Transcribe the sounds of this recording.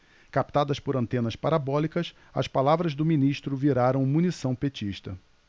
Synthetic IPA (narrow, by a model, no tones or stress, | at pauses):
kap̚t̪ad̪ɐspʊɾɐ̃nt̪ẽnɐspaɾabɔlikɐs | ɐ̰spalavɾɐzd̪ʊminiʃt̪ɾʊviɾaɾɐ̃w̃munisɐ̃w̃pet͡ʃiʃt̪ɐ